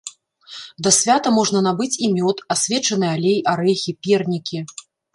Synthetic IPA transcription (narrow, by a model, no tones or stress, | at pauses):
d̪ɐsʲvʲat̪ɐmɔʐnɐn̪abɨt͡sʲimʲɔt̪asʲvʲɛt͡ʂɐnɨjalʲejʔaɾɛxʲipʲɛrnʲikʲi